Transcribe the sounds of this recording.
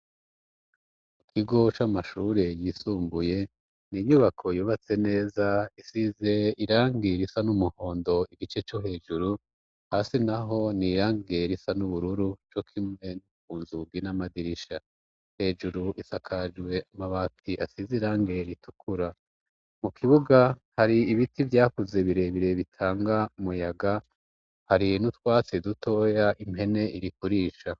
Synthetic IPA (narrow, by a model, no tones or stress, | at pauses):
ikʰiɡo̞t͡ʃamaʃuːɾe̞jiːsuːmbuje̞ | niɲuβakʰo̞juːβat͡se̞ne̞ːzaisize̞iɾaːŋɡiɾisanumuho̞ːndo̞iɡit͡ʃe̞t͡ʃoɦe̞ːʒuɾu | haːsinaɦo̞niɾaːŋɡeɾisanuβuɾuɾut͡ʃo̞kʰimŋe̞nukuːnzuɡɡinamadiɾiʃa | he̞ːd͡ʒuɾuʔisakʰad͡ʒɡwe̞amaβatʰiʔa̰siziɾaːŋɡe̞ɾitʰu̥kʰuɾa | mukʰiβuɡahaɾiːβitivjaːkuze̞βiɾe̞βiɾe̞βitʰaːŋɡaumujaɡa | haɾinut̪waːt͡sidutʰo̞ːjaʔimɦe̞ne̞ʔiɾikuɾiːʃa